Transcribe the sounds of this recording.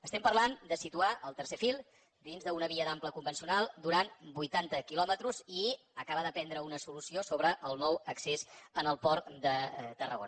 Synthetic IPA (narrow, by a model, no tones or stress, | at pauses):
əst̪ɛmpəɾland̪əsit̪uaʔəlˠt̪əɾsefilˠ | d̪inzðəunəβiəd̪ampləkumbənsiunalˠd̪uɾanbujt̪ant̪əkilɔmət̪ɾuzi | əkaβəðəpɛnd̪ɾəunəsulusiosoβɾəʔəlˠnɔwəksezənəlˠpɔɾd̪ət̪ərə̰ɣo̰n